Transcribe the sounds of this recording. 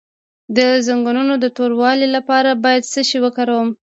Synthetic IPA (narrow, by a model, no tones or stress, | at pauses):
d̪əzaŋɡununod̪ət̪oɾwɑlilapɑɾabɑjad̪səʃiwəkaɾawəm